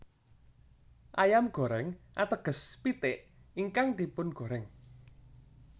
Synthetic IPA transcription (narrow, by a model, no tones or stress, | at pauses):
ʔajamɡ̥o̤ɾɛŋʔat̪əɡ̥ə̤spit̪eʔiŋkaŋd̪̥i̤pʊnɡ̥o̤ɾɛŋ